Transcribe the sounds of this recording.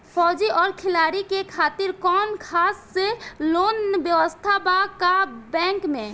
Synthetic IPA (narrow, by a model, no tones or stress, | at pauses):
pʰɔd͡ʒiʔɔːɾkʰilaɾikekʰat̪iɾkɔnkʰasːelonbjəwəst̪ʰabakabɛ̃ŋkme